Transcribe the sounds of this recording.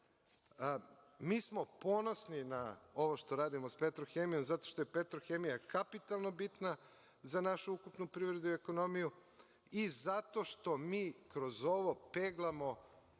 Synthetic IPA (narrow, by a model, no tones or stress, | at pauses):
miːsmo̞po̞no̞sninao̞ʋoʃt̪o̞ɾaːd̪imospet̪ɾoxeːmijo̞mzat̪o̞ʃt̪o̞je̞pet̪ɾoxemijakapit̪alˠno̞bit̪na | zanaʃuukupnupɾiːʋɾe̞d̪uieko̞no̞miju | izat̪o̞ʃt̪o̞miːkɾo̞zo̞ʋo̞peːɡlˠamo̞